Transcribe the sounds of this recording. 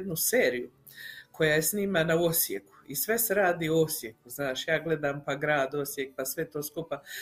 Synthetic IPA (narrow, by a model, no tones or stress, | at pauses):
d̪nuseːɾiju | kʰo̞jajesniːmanaosjeku̥isʋe̞seɾaːd̪iːoosje̞kuznaːʃjaːɡle̞d̪aːmpaɡɾaːd̪o̞sjek̚pasʋe̞t̪o̞ːskupa